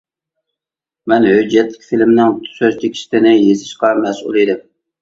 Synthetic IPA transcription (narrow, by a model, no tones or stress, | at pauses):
mɛnhød͡ʒɛt̪lɪkʲfilmnɪŋt̪ʰsøzt̪ʰɪkʲʰi̥ʃt̪ɪnɪjesɪʃqɑmɛsṵlˠid̪ɪm